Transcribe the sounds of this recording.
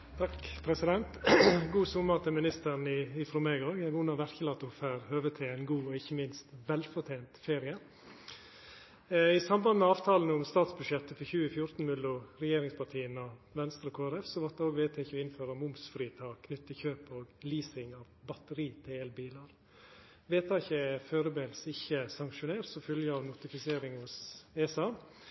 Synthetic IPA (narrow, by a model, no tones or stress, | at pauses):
t̪ʰɑkpʰɾɛsɪd̪ɛnt̪ɡuːsʊmːəɾt̪ʰɪmɪnɪst̪əɾnɪɪfɾɔmeɡəoːɡæʊnɑʋæɾçəlɑt̪ʊfæːɾhøːʋət̪ʰeːænɡuːɔɪçːəmɪnst̪ʋɛlfɔɾt̪ʰeːnt̪feːɾɪə | ɪsɑmbɑnmɛɑːʋt̪ʰɑːln̩əʊmst̪ɑːt̪sbʉd̪ʂjɛt̪ːəfɔçʉːəfjʊɾt̪n̩mʉlːʊɾɛjeːɾɪŋspʰɑʈʰiːənɔʋɛnst̪ɾɔkʰoːæɾɛfsɔʋɑt̪̚d̪əoːɡʋeːt̪ʰeːɪçəɔɪnføːɾəmʊmsfɾiːt̪ʰɑːkkʰnʏt̪ːəçøːpoːɡliːsɪŋɑʋbɑt̪əɾiːt̪ʰɪleːlbiːlɑɾ | ʋeːt̪ʰɑːɪçəɛføːɾəbeːlsɪçːəsɑŋkʂʊneːɾsɔfœljəɑʋnʊt̪ɪfɪseːɾɪŋhʊseːsɑː